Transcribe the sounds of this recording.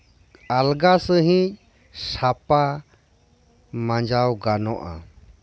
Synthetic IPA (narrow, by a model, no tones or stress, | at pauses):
alɡasəɦĩc̚ˀ | sapa | mãd͡ʒawɡanɔʔa̰